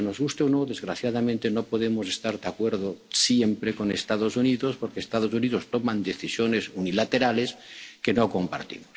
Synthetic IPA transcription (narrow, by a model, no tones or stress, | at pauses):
no̞zɣust̪eonoðe̞zɣɾaθjaðamẽnt̪e̞no̞po̞ðemose̞st̪aɾðakwe̞ɾðosjempɾeko̞nest̪aðo̞suniðospoɾkeːst̪að̞osuniðost̪o̞mãnd̪eθisjone̞sunilat̪e̞ɾale̞ske̞noko̞mpa̰ɾt̪ḭmos